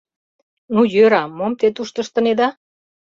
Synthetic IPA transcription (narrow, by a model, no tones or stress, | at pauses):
nujøɾɑmːomt̪et̪uʃt̪əʃt̪ə̆ned̪ɑ